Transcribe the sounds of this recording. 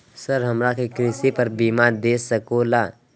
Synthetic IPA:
səɾɦəmɾakekɾɪsipəɾbiːmad̪eːsəkolaː

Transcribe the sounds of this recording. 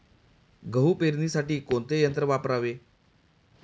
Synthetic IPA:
ɡəɦupeɾniːsaʈiːkont̪ejənt̪ɾəʋapɾaʋe

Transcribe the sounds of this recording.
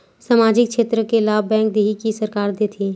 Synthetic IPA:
saːmaːd͡ʒɪkʃeːt̪ɾəkelaːbbɛ̃ːŋk̚d̪eːɦikisɐɾkaːɾd̪et̪ʰiː

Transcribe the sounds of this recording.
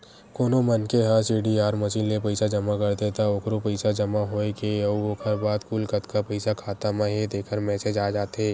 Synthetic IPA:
koːnomɐnkeɦaɾsiːɖiaːɾmɐsiːlːepəɪsad͡ʒɐmakɐɾt̪et̪ʰaoːkɾopɐɪsad͡ʒɐmaɦoːekeɐokʰəɾbaːd̪kuːlkət̪kapɐɪsakʰaːt̪amaɦed̪eːkʰəɾmɛːsed͡ʒaːd͡ʒaːt̪eː

